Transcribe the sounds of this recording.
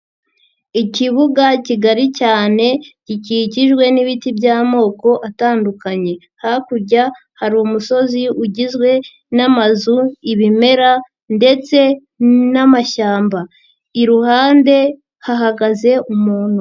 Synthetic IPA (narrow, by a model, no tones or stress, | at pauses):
iciβuɡaciɡaɾicaːne̞ciciciʒɡwe̞niβitibɟaːmo̞ːko̞ʔataːndukaɲe̞ | hakuɾɟa | haɾumuso̞ziuɟizɡwe̞ | namazuiβime̞ɾa | nde̞t͡se̞ | namaʃaːmba | iɾuhaːnde̞ | haɦaɡaze̞ʔumuːn̥hu